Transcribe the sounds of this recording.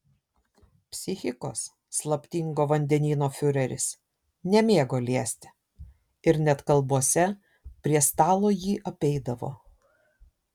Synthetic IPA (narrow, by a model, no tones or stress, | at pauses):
pʲsʲɪxʲɪko̰ːsː | lˠɐpʲt̪ʲiŋɡoːʋɐnʲd̪ʲɛnʲiːnoːfʲʊɾʲɛɾʲɪ̰s | nʲɛmʲeːɡoːlʲiɛsʲt̪ʲɪ̥ | ɪɾnʲɛt̪kɐlˠbuɔsʲɛ | pʲɾʲiɛst̪ɑːlˠoːjiːʔɐpʲɛɪd̪ɐʋo̰ː